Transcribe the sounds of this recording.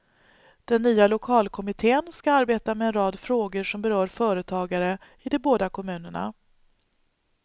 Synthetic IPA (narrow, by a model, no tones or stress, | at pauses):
d̪̥ɛnːyːalʊkʰɑːlkʰɔmɪt̪ʰeːənskaaɾbeːt̪amɛːnɾɑːd̪fɾoːɡəʂɔmbɛɾœːɾfœːɾət̪ʰɑːɡaɾə | ɪd̪ɔboːd̪akʰɔmʉ̟ːnəɳa̰